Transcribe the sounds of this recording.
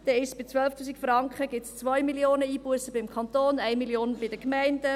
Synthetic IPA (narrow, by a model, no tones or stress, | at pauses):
d̥̪ɛɪʃb̥ɪt͡sʋœlftʰuːsikfrɑŋkχəɡɪtst͡sʋœjmiljoːnəiːbuəsəbɪmkχɑnt̪oːnæɪmiljoːnb̥ɪdəkmæɪndə